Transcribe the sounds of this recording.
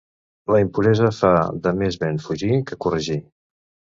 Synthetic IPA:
ləimpuɾɛzəfaðəmezβenfuʒikəkurəʒi

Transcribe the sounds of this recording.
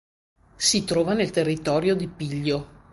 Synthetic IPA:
sit̪ɾɔːvanelt̪erːit̪ɔːɾjod̪ipiʎːo

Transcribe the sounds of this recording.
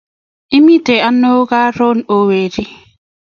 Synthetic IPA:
ʔimitɛanːɔɡaːɾɔnɔweːɾi

